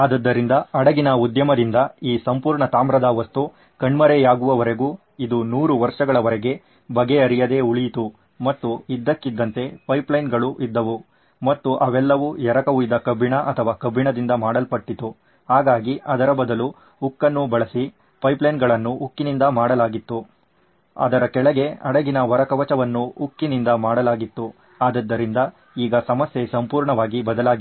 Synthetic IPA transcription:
aːd̪ɐd̪ːɐɾind̪ɐɐɽɐɡinɐud̪jɐmɐd̪ind̪ɐiːsɐmpuːɾɳɐt̪aːmɾɐd̪ɐʋɐst̪u | kɐɳmɐɾɛjaːɡuʋɐʋɐɾeɡuː | id̪unuːɾuʋɐɾʂɐɡɐɭɐʋɐɾɛɡe̞ | bɐɡeɐɾijɐd̪e̞ːuɭijit̪u | mɐt̪ːuid̪ːɐkːid̪ːɐnt̪e̞pɐjplɐjnɡɐɭuʔid̪ːɐʋu | mɐt̪ːuʔɐʋɛlːɐʋujɛɾɐkɐʋuid̪ːɐkɐbʱːiɳɐʔɐt̪ʰɐʋaːkɐbʱːiɳɐd̪ind̪ɐmaːɽɐlpɐʈːit̪u | haːɡaːɡiʔɐd̪ɐɾɐbɐd̪ɐlu | ukːɐnːubɐɭɐsi | pɐjplɐjnɡɐɭɐnːuʔukːinind̪ɐmaːɽɐlaːɡit̪ːu | ɐ̰d̪ɐɾɐkɛɭɐɡe̞ɐɽɐɡinɐʋɐɾɐkɐʋɐt͡ʃɐʋɐnːuːkːinind̪ɐmaːɽɐlaːɡit̪ːu | aːd̪ɐd̪ːɐɾind̪ɐ | iːɡɐsɐmɐsje̞sɐmpuːɾɳɐʋaːɡibɐd̪ɐlaːɡi

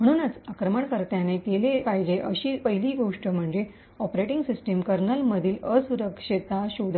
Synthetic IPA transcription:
m̤əɽ̃uːnət͡sakɾəməɳkəɾt̪janekelepajd͡ʑeʔəɕiːpəɦiliːɡoʂʈəm̤əɳd͡ʑe | ɔpɾeʈiŋɡsisʈəmkəɾnəlməd̪ʱiːləsuɾəkʂit̪aɕud̪ʱə

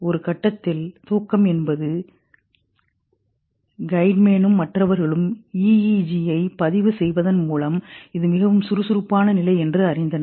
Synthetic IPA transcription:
ɔɾɯkɐʈːɐt̪ːɪlt̪oːkːɐmɛnbɐðɯ | ɡɐɪɖmeːnɯmːɐʈrɐʋɐɾɣɐɭɯmiːid͡ʒiɐɪpɐðɪʋɯsɛjʋɐðɐnmuːlɐmɪðɯmɪɣɐʋɯmsʊɾɯsʊɾɯpːaːnɐnɪlɐɪɛndrɯɐɾɪnd̪ɐn

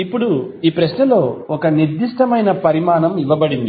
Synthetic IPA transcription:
ipːuɽuiːpɾɐsnɐlo̞ːɔkɐniɾd̪iʂʈɐmɐjnɐpɐɾimaːɳɐmiʋɐbɐɽind̪i

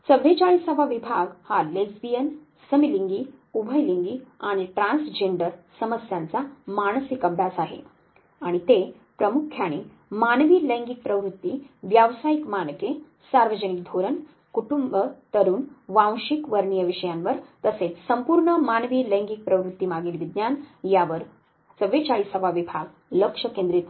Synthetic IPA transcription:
səbʱet͡ɕaɭisəbʱaʋibʱaɡhalesbijen | səmiliŋɡiːubʱəjliŋɡiːaɽ̃iʈɾãnsd͡ʑeɳɖəɾsəməsjant͡samaɽ̃sikəbʱɽasaɦḛ | aɽ̃it̪e | pɾəmukʰjaɽ̃iː | manʋiːlɛ̃ŋɡik̚pɾəʋɾut̪ːiːʋjaʋsajikmanke | saɾʋəd͡ʑənik̚d̪ʱoɾən | kuʈumbət̪əɾuːnʋãwɕikʋəɾɳijəʋiʂəjanʋəɾt̪əset͡ssəmpuːɾɳəmanʋiːlɛŋɡik̚pɾəʋɾut̪ːimaɡiːlʋid̪njanjaʋəɾ | t͡səʋet͡ɕaɭiːsəʋaʋibʱaɡ | ləkʂəkẽnd̪ɾit̪

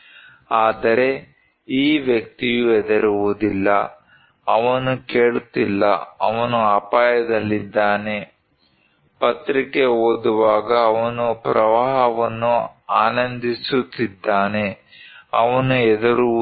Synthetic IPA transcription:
aːd̪ɐɾe̞ | iːʋjɐk̚t̪ijuɛd̪ɐɾuʋud̪ilːɐ | ɐʋɐnukeːɭut̪ilːɐ̰ɐ̰ʋɐnuaːpaːjɐd̪ɐlːid̪ːaːne̞ | pɐt̪ɾikeoːd̪uʋaːɡɐːʋɐnupɾɐʋaːɦɐʋɐnːuaːnɐnd̪isut̪ːid̪ːaːne̞ | ɐʋɐnuɛd̪ɐɾu

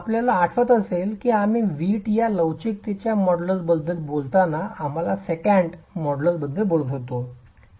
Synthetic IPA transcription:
apljalaːʈʰʋət̪əselkiːamiːʋiʈjaləwt͡ɕik̚t̪et͡ɕjamɔɽləɾbəd̪ʱːəlbolt̪anaam̤alasekəɳɖmɔɽləbəd̪ʱːəbolt̪ət̪o

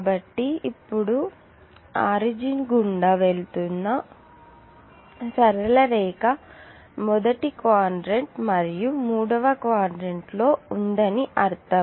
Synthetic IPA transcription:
bɐʈːiipːuɽu | aːɾid͡ʒinɡuɳɖaːʋe̞ɭt̪unːɐ | sɐɾɐlɐɾɛːkɐ | mɔd̪ɐʈikʋaːɾɖɾeɳʈmɐɾijumuːɽɐʋɐkʋaːɖɾeɳʈlo̞ːund̪ɐniʔɐɾt̪ɐ

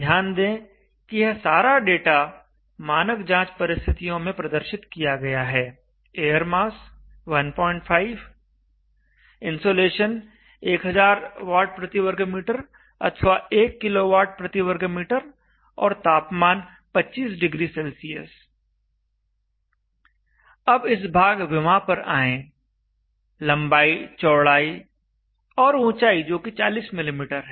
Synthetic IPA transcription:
d̪ʱjaːnd̪ẽ | kijɐɦsaːɾaɖeːʈa | maːnəkd͡ʒãːt͡ʃpɐɾɪst̪ʰɪt̪ijõmẽpɾɐd̪əɾʃɪt̪kijaɡɐjaɦɛː | eːjəɾmaːs | ʋɐnpɔːɪ̃ɳʈfʰaːɪʋ | ɪ̃nsoːleːʃən | eːkɦɐzaːɾʋaːʈ̚pɾɐt̪iʋəɾɡmiːʈəɾ | ɐ̰t̪ʰʋaeːkːɪloʋaːʈ̚pɾɐt̪ɪwəɾɡemiːʈəɾ | ɔːɾt̪aːpmaːn | pɐtːt͡ʃiːsɖɪɡɾisɛlsijə̰s | ɐbɪs̬bʱaːɡʋɪmãpɐɾa̰ːẽː | lɐ̃mbaːit͡ʃɔːɭaːi | ɔːɾũːt͡ʃaːid͡ʒoːkit͡ʃaːliːsmɪlimiːʈəɾɦɛː

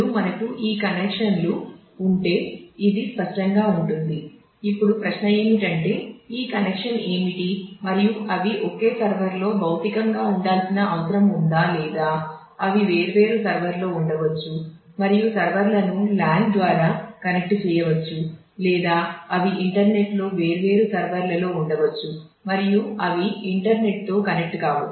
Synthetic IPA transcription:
umɐnɐkuʔiːkɐnekʂɐnluː | ɳʈe̞ːid̪ispɐʂʈɐŋɡaːuɳʈund̪i | ipːuɽupɾɐʃnɐe̞ːmiʈɐɳʈe̞ːiːkɐnekʂɐne̞ːmiʈimɐɾijuɐʋiʔoke̞ːsɐɾʋɐɾlo̞ːbɐwt̪ikɐŋɡaːuɳɖaːlsinɐɐʋɐsɐɾɐmund̪aːlɛːd̪aː | ɐʋiʋe̞ːɾʋe̞ːɾusɐɾʋɐɾlo̞ːuɳɖɐʋɐt͡ʃːu | mɐɾijusɐɾʋɐɾlɐnulaːɳɖd̪ʋaːɾaːkɐnek̚ʈt͡ʃɛːjɐʋɐt͡ʃːu | lɛːd̪aːɐʋiʔiɳʈɐɾne̞ʈlo̞ːʋe̞ːɾuʋe̞ːɾusɐɾʋɐɾlɐlo̞ːuɳɖɐʋɐt͡ʃːu | mɐɾijuɐʋiiɳʈɐɾne̞ʈ̚t̪o̞ːkɐnek̚ʈɡaːʋṵ

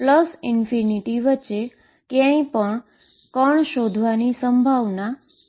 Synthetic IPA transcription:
pləsɪnfiniʈiʋəːʃe | kjãĩpəɳ | kəɳʃod̪ʱʋanisəmbʱaʋna

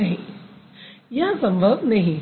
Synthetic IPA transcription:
ɐɦĩ | jɐɦsɐ̃mbʱəbnɐɦĩ

